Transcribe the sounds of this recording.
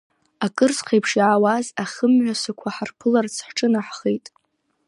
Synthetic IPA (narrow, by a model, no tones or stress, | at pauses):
akʼɨrsχejpʰʂjʕːwazaχəmɥʷᶣasakʷʰaħarpʰɨlart͡sʰħʈ͡ʂʼɨnaħχejtʼ